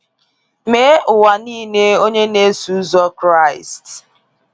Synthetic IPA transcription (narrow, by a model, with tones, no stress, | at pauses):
me˦ʔʊ˨wa˨niː˦ne˦o˦ɲe˦ne˦su˦zɔ˦kɾa˦˨ɪ̰˨st